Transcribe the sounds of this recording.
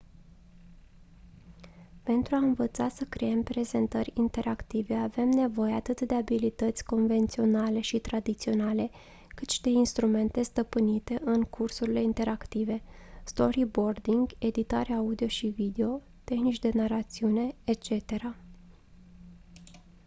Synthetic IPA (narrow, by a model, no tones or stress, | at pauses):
pe̞nt̪ɾuaɨnvət̪sasəkɾee̞mpɾe̞ze̞nt̪əɾʲint̪e̞ɾakt̪ive̞ave̞mne̞vo̞je̞at̪ɨt̪d̪e̞abilit̪ət̪sʲko̞nve̞nt̪sio̞nale̞ʃit̪ɾad̪it̪sio̞nale̞ | kɨt̪ʃid̪e̞inst̪ɾume̞nt̪e̞st̪əpɨnit̪e̞ʔɨŋkʰursuɾile̞int̪e̞ɾʔakt̪ive̞st̪o̞ɾibo̞rd̪iŋɡe̞d̪it̪aɾeaud̪io̞ʃivid̪e̞o̞ | t̪e̞xnit͡ʃd̪e̞narat̪siune̞et͡ʃe̞t̪e̞ɾa